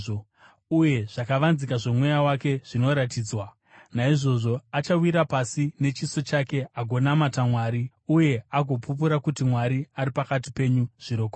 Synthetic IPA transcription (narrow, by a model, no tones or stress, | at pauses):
o | uje̞ʐ̥akaʋanzikaʐo̞mwe̞jawake̞ʐ̥ino̞ɾatiːd͡zwa | naiʐo̞ʐo̞at͡ʃawiɾapasine̞t͡ʃiso̞t͡ʃake̞aɡʱo̞namatamwaːɾi | uje̞aɡʱo̞pup̬uɾakutimwaɾiaɾipakatipe̞ɲuʐ̥iɾo̞ːko